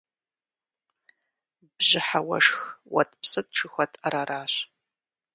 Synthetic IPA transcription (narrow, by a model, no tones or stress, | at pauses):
bʑɪħawɐ̰ʂxwɐ̰tʰʼpsɨt̚ʈ͡ʂʰɨxʷɐtʰaɾaɾaːɕ